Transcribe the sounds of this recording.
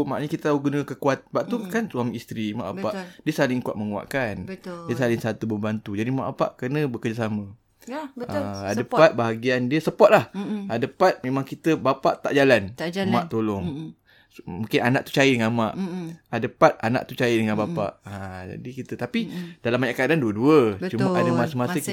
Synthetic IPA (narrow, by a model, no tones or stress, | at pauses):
ma̰ʔnɲəkit̪ət̪aɦuɡunəkəkuat̪̚baʔt̪ukansuamist̪ɾima̰ʔapaʔdiəsalɪŋkuaʔ̪̚məŋua̰ʔkanətdiəsalɪŋsat̪ubəmbant̪ud͡ʒadima̰ʔbapa̰ʔkənə̃bəkərd͡ʒasamə̃ | aəddəpat̪̚baɦaɡiandiəsəpɔt̪̚lahadəpat̪̚mẽmaŋkit̪əbapaʔt̪a̰ʔd͡ʒalanmaʔt̪olɔŋ | mũŋkɪnanaʔt̪u̥t͡ʃajidəŋanmaʔadəpat̪̚ana̰ʔt̪ut͡ʃajidəŋanbapa̰ʔad͡ʒa̰dikit̪ət̪apid̥alamːaɲaʔkaadanduəduət͡ʃumaʔadamasəmaə